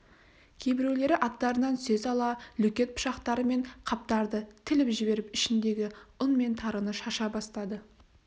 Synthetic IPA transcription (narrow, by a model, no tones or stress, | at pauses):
kʲʰejbɪɾewle̞ɾɪʔɑt̪ːɑɾənɑnsezɑlˠɑlɵkʲe̞t̪̚pʰʊ̥ʃɑqt̪ɑɾəme̞ɴqʰɑp̚t̪ɑɾd̪ət̪ʰɪlɪpʒɪbe̞ɾɪpɪʃɪnd̪e̞ɡʲɪʊnme̞nt̪ʰɑɾənəʃɑʃɑbɑst̪ɑd̪ə